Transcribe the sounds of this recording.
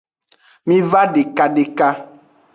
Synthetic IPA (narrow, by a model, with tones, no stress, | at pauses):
mĩ˦va˦ɖe˨ka˨ɖe˨ka˦